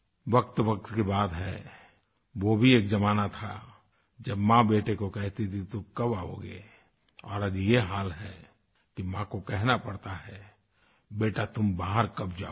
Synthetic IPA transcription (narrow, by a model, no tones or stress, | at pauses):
ʋɐkt̪ʋək̚t̪kebaːd̪ɦɛ | ʋobʱieːkd͡ʒɐmaːnat̪ʰa | d͡ʒɐbmãbeːʈekokɛɦt̪it̪ʰit̪ʊkɐbao̰ɡḛ | ɔːɾəd̪ijeɦaːlɦɛ | kimãkokɛɦnapɐɽt̪aɦɛ | beːʈat̪ʊmbaːɦəɾkɐp̚d͡ʒaː